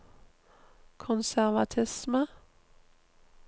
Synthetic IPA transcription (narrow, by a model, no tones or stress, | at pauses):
kʰʊnsæʁʋɑt̪ʰɪsmə